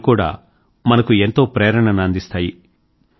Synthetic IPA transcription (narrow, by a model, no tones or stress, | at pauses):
kuːɽa̰ː | mɐnɐkue̞nt̪o̞ːpɾeːɾɐɳɐnɐnd̪ist̪aːji